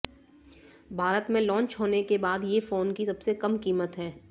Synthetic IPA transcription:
bʱaːɾət̪mẽlɔ̃ːɲt͡ʃɦoːnekebaːd̪jefoːnkisɐbsekɐmkiːmət̪ɦɛː

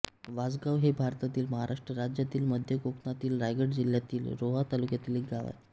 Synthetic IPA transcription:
ʋad͡zɡaʋɦebʱaɾt̪at̪iːlməɦaɾʔaʂʈɾəɾad͡ʑjat̪iːlməd̪ʱjəkoknat̪iːlɾajɡəʈd͡ʑiljat̪iːlɾoɦat̪alukjat̪iːlek̚ɡaʋa̰j

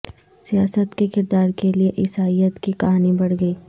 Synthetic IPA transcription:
sijaːsət̪kekɪɾd̪aːɾkelieʔɪsaːijət̪kikɐɦaːnibɐɽɡəiː

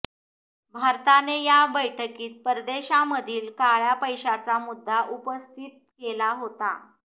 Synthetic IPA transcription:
bʱaɾt̪anejabəjʈʰəkiːt̪̚pəɾd̪eɕaməd̪ʱiːlkaɭjapəjɕat͡samud̪ːaʔupəst̪ʰiːt̪̚kelaɦot̪a̰

